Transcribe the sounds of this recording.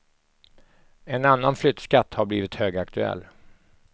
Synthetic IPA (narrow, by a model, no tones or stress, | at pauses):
ɛnanːanflʏt̪skat̪ːhaɾbliːvɪt̪høːɡakt̪ɵɛ̰lː